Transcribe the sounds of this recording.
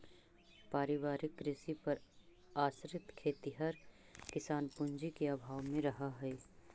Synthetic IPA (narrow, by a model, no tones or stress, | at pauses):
paːɾɪʋaːɾɪkːɾɪsipɐɾ | aːsɾɪt̪kʰeːt̪iɦɐɾ | kɪsaːnpʊ̃nd͡ʒikeaːbʱaːʋmẽɾɐɦaɦɛe